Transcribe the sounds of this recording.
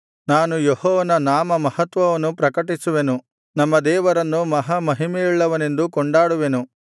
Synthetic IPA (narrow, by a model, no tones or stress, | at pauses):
naːnujehɔːʋɐnɐnaːmɐmɐhɐt̪ʋɐʋɐnːupɾɐkɐʈisuʋe̞nu | nɐmːɐd̪ɛːʋɐɾɐnːumɐɦɐmɐɦimeiɭːɐʋɐne̞nd̪ukɔɳɖaːɽuʋenu